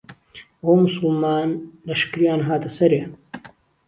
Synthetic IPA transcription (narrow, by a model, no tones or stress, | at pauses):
oːmʊsɨlmaːnlɐʃkɨɾijaːnɦaːt̪ɐsɐɾeː